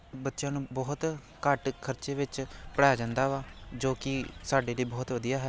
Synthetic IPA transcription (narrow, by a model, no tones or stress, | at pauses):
bət̪ːʃjãːnũːbɔːt̪ | kəʈkʰəɾt͡ʃeːʋɪt͡ʃpəɽaːjaːd͡ʒãːnd̪aːʋaːd͡ʒoːkɪsaːɖeːləiːbɔːt̪ʋəd̪ijaːɦɛː